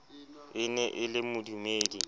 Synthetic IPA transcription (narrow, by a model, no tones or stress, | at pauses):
ɪnɛʔɪlɪmʊdumeːdi